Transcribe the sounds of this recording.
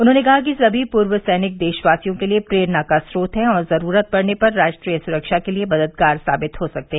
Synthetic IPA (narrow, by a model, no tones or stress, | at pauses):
ʊnɦõːnekɐɦak̬isɐbʱipʊɾwəsɛːnɪk̚d̪eːʃʋaːsijõkeliepɾeːɾnakasɾoːt̪ɦɛ̃ɔːɾzɐɾuːɾət̪̚pɐɽnepɐɾːaːd͡ʒʈɾiːjəsʊɾəkʃakeliebɐd̪əd̪̚ɡaːɾsa̰ːbɪt̪ɦosɐk̚t̪eɦɛ̃